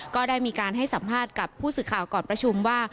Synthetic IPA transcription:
kɔː˥˩daː˥˩jmiː˧kaː˧nɦa˥˩jsa˩˦mpʰaː˥˩t̪̚ka˨˩pʰːuː˥˩sɯː˨˩kʰaː˨˩wkɔː˨˩npɾa˧t͡ɕʰu˧mwaː˥˩

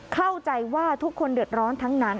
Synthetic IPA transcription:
kʰa˥˩wt͡ɕa˧jwaː˥˩t̪ʰu˦˥kʰːo˧ndɯ˨˩ət̪̚ɾɔː˦˥nt̪ʰa˦˥ŋna˦˥n

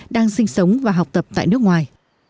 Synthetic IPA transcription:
ɗaː˧ŋsï˧ŋ̟sə˨˦wŋ͡mvaː˨˩ɦa˨˩k͡p̚t̪ə˨˩p̚t̪a̰ː˧˨jnɨ˦˥ək̚ŋwaː˨˩j

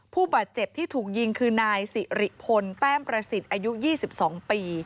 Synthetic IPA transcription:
pʰuː˥˩baː˨˩t̪̚t͡ɕe˨˩p̚t̪ʰiː˥˩t̪ʰuː˨˩k̚ji˧ŋkʰɯː˧naː˧jsi˨˩ɾi˦˩ʔpʰo˧np̪ɛː˥˩ŋpɾa˧si˨˩t̪̚ʔaː˧ju˦˥jiː˥˩si˨˩p̚sɔː˩˦ŋpiː˧

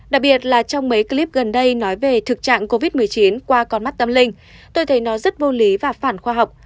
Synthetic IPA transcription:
ɗa˨˩k̚ɓi˨˩ət̚laː˨˩t͡ɕɔ˧wŋ͡mmə˨˦jki˧li˦˥p̚ɣə˨˩nɗə˧jnɔ˨˦jve˨˩t̪ʰɨ˨˩k̚t͡ɕa̰ː˧˨ŋko˧vi˦˥mɨ˨˩əjt͡ɕi˨˦nkwaː˧kɔ˨˧˩nma˦˥t̚t̪ə˧mlï˧ŋ̟ | t̪o˧jt̪ʰə˨˦jnɔ˨˦zə˦˥t̚vo˧li˨˦vaː˨˩faː˧˩nxwaː˧ɦa˨˩wk͡p̚

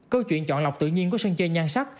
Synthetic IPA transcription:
kəː˧wt͡ɕwḭ˧˨ənt͡ɕɔ̰˧˨nla˨˩wk͡p̚t̪ɨ̰˧˨ɲi˧ənku˨˩˦sə˧ŋt͡ɕe˧nɲaː˧nsa˦˥k̚

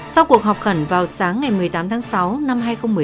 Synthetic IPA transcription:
sa˧wku˨˩ək̚ɦɔ˨˩wk͡p̚xə˧˩nvaː˨˩wsaː˨˦ŋːa˨˩jmɨ˨˩əjt̪aː˨˦mt̪ʰaː˨˦ŋsa˨˦wna˧mɦaː˧jxə˧wŋ͡mmɨ˨˩˨

